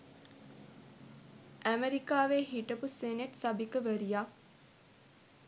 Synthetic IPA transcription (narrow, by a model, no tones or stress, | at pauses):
ʔæmeɾikaːʋeːɦiʈəpuseneʈsabikəʋəɾijak̚